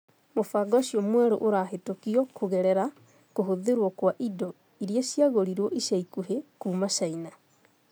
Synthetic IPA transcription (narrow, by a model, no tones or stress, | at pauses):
mofaɡɔɕiɔmwɛɾo̰ʔoɾaɦetokiɔkʰoɣɛɾɛɾa | koɦoðeɾwɔkwaʔidɔ | iɾiasjaɣoɾiɾwɔʔiɕaikuɦekuːmaɕaina